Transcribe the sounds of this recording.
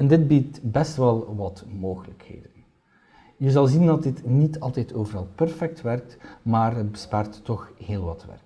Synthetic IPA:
ɛndɪd̚bitbɛstʋɛlˠʋɑtmoːɣələkhḛːdən | jəzɑlˠzindɑt̚dɪtnitʰɑlˠtɛjtʰoːvəɾɑlˠpɛrfɛk̚tʋɛrk̚tmaːrət̚bəspaːrtːɔxheːlˠʋɑtʋɛ̰rk

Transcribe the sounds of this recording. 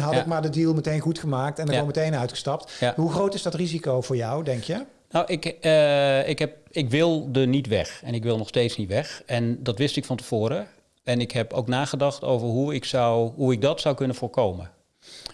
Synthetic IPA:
ɦɑtɪk̚maːɹdədiːlˠmətejnχutχəmaːk̚tɛndəɔmətejnœɥtχəstɑp̚tɦuxrowtɪzdɑtrizikowvʊːɹjɔwdɛŋkʰjə | nawʔɪk | ɪkɦɛp̚ɪkʋɪlˠdənitʋɛ̰xɛnɪk̬ʋɪlˠnɔxsteːtsnitʋɛxɛndɑtʋɪstɪkfɑntə̥voːɾə | ɛnɪkɦɛpowknaːχədɑxtowvərɦuɪksɔwɦuɪɡ̚dɑtsʌwkɵnənvʊːɹkowmə

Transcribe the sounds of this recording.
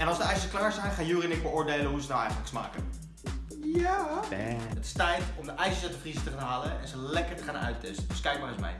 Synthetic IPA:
ɛnɑlˠzdəɛjsəsklaːɹzɛjnχaːjuːrənɪk̚bəʊːɹdejləɦusədɔwɛ̰jχəntləksma̰ːkə̰n | ja | ətɪ̥stɛjtɔmdəʔɛjsəsatəfrisətəχaːnɦaːləɛ̰nzəlɛkəɹtəχaːnœ̰ɥtʰɛstədʏskɛjk̚marəsmɛ̰j

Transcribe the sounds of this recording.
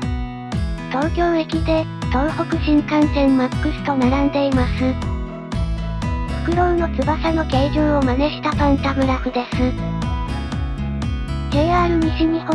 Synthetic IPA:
t̪o̞ːkʲo̞ːekʲid̪e̞ | t̪õɰ̃ho̞kɯ̟ʑĩŋkãnt̪ẽ̞mmakːɯ̟sɨ̥t̪o̞naɾãnd̪e̞imasɨ | ho̥kɯ̟d̪o̞ɯ̟no̞t͡sɨbasano̞ɡeiʑɯ̃ːo̞maneɕi̥t̪apãnt̪amɯ̟ɾakɯ̟d̪e̞sɨ | eːaːɾɯ̟ɲiɕiɲ̟iho

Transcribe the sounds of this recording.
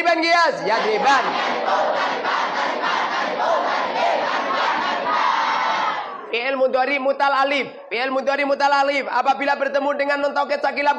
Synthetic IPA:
bankiasjadeban | peʔɛlmund̪ɔɾimut̪alalif | peɛlmund̪ɔɾimut̪alalifa̰pabilabərt̪əmudəŋanːɔnt̪awk̬ɛt͡ʃak̬ilab

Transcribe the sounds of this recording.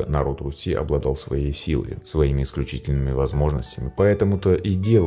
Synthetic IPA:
ənɐɾo̞t̪rʊsʲiɐ̰blˠɐd̪ɑlˠsvɐjejsʲilˠə̰jsvɐimʲɪɪsklʲʉt͡ɕitʲɪlʲnɨmʲɪvɐzmo̞ʐnəsʲtʲɪmʲɪpɐɛt̪əmʊt̪əʔidʲe̞l

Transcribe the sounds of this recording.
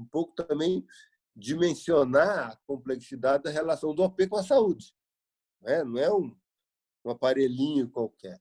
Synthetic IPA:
ũpowkʊ̥t̪ɐ̃mbẽj̃ | d͡ʒimẽsionaɐkõmpleksid̪ad͡ʒɪd̪ɐɦelasɐ̃w̃d̪ʊopekõɐsaud͡ʒɪ̥̃ | ɛnɐ̃w̃ɛũ | ũɐpaɾelĩɲʊkwawkɛɾ

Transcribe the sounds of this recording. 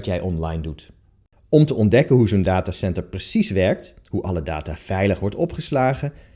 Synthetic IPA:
tjɛjʔɔnlɑjndut | ɔmtəʔɔndɛkənɦuzondaːtaːsɛntəɹprəsisʋɛɹk̚tɦuʔɑləda̰ːtaːv̥ɛjləχʋɔɹtɔpχəslaːχə

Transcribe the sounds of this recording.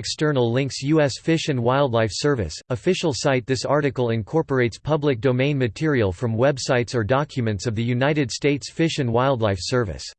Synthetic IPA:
ɛkstɜ˞nl̩ˠlɪ̃ŋksjuɛsfɪʃɨ̃nwaɪlˠdˡlaɪfsɜ˞vɨ̰səfɪʃl̩ˠsaɪt̪̚ðɪsɑɹɾɨkl̩ˠɨ̃nkʰɔɹpə˞eɪtspʰʌblɨk̚d̥oʊmẽɪ̃nmɨtʰɪɹiəl̩ˠfɹʌ̃mwɛbsaɪtsə˞dɑkʰjɨmɨ̃ntsʌvðɨjʉnaɪɾɨd̥steɪtsfɪʃɨ̃nwaɪlˠdˡlaɪfsɜ˞vɨ̰s

